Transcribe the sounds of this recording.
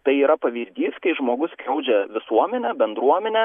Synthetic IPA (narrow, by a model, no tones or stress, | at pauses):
t̪ɐɪiːɾɐpɐʋʲiːzʲd̪ʲiːskɐɪʒmoːɡʊskʲɾʲɛʊd͡ʒʲɛʋʲɪsuɔmʲɛnʲɛbʲɛnd̪ɾuɔmʲɛnʲɛ